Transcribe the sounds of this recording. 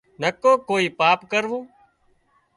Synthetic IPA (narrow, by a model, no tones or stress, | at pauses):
nəkoːkoːiːpaːpkəɾʋõː